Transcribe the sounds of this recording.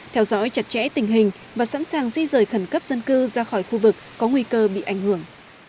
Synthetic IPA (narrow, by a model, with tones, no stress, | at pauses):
t̪ʰɛ˧wzɔ̰˧˥jt͡ɕa˦˥t̚t͡ɕɛ̰˧˥t̪ï˨˩ŋ̟ɦï˨˩ŋ̟ | vaː˨˩sa̰˧˥nsaː˨˩ŋsi˧zəː˨˩jxə˧˩nkə˦˥p̚zə˧nkɨ˧zaː˧xɔː˧˩jxu˧vɨ˨˩k̚ːɔ˨˦ŋwi˧kəː˧ɓḭ˧˨ʔa˧˩jŋ̟hɨ˧˩əŋ